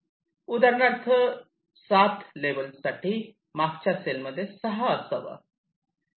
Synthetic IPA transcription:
ud̪əɾnaɾt̪ʰə | sat̪ʰlebəlsaʈʰi | mak̚t͡ɕaselməd̪ʱːjesəɦasəʋə̰

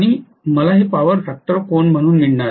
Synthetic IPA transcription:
aɽ̃i | məlaɦiːpaʋəɾʈak̚ʈəɾkoɳm̤əɽ̃uːnmiɽɳaɾ

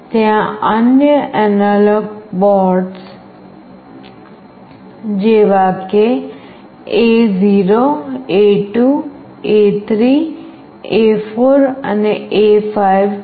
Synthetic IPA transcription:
t̪jãənjəʔənələɡbɔɾɖs | d͡ʒeʋake | eziɾoeʈu | et̪ʰɾi | efʰoɾəneefaiʋ

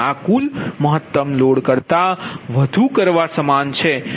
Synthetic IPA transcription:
akulməɦət̪ːəmloɽkəɾt̪aʋəd̪ʱukəɾʋasəmant͡ʃʰe

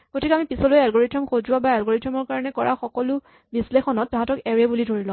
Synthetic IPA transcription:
kotʰikamipisɔlojɛalɡoɹitʰɔmxozʊwabaɛlɡoɹitʰɔmɔɹkaɹɔnɛkɔɹa̰xɔkɔlʊ | bislexɔnɔtːɔ̃ɦatɔkɛɹɛbulidʱoɹilɔ̃

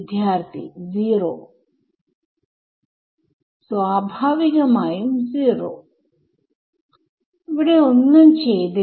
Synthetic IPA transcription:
d̪ʱjaːɾt̪ʰḭziːɾo̰ | sʋaːbʱaːʋikɐmaːjumziːɾo̰ | bəɽeʊnːənt͡ʃʰed̪e

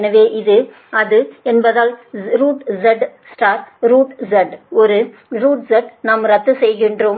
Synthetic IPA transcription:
nɐʋeːʔɪðɯ | ɐðɯɛnbɐðaːlɾuːʈzɛɖsʈaːɾɾuːʈzɐɖɔɾɯ | ɾuːʈsɛʈnaːmɾɐt̪ːɯsɛjɣɪndroːm

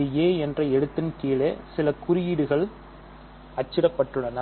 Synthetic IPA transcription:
ɪjeːɛndrɐɛɽɯt̪ːɪnkiːɭeːsɪlɐkʊɾɪjɪɽɯɣɐɭ | ɐt͡ʃːɪɾɐpːɐʈːɯɭːɐnɐ

